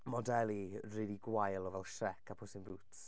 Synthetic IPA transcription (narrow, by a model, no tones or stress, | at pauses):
mɔdɛlˠiriliɡwajlˠɔvɛlˠʃrɛkʰapʰʊsɪnbuːts